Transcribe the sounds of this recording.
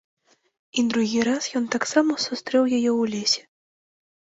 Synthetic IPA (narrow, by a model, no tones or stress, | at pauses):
id̪ɾuɣʲiɾasjɔnt̪aksamɐsust̪ɾɛwjajɛwlʲesʲɛ̥